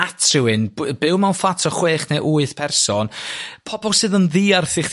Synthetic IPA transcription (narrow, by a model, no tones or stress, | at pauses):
atʰrɪwɨnbbɪwmanfatʰɔχweːχneʔuɨðpʰɛrsɔnpʰɔbɔlˠsɨːðənðiːarθɪχ